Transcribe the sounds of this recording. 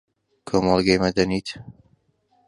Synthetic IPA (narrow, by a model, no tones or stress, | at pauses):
kʰomɑlˠɡejmɐd̪ɐniːt̪ʰ